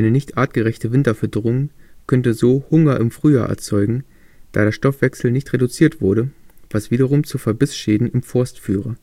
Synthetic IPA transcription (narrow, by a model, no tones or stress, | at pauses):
ʔaɪnənɪçtʔaːtɡ̥əʁɛçtəvɪntɐfɛɐdəʁʊŋkʰœntəzoːhʊŋɐʔɪmfʁ̥yːja̰ːʔɛ̰ɐt͡sɔʏɡŋ̩ | d̥a̰ːɾeːɐʃtɔfv̥ɛksl̩nɪçtʁedut͡siːɐtv̥ʊɐɾəv̥asv̥iːɾɐʁʊmt͡sufɛɐbɪsʃeːdn̩ɪmfʊɐstfyːʁə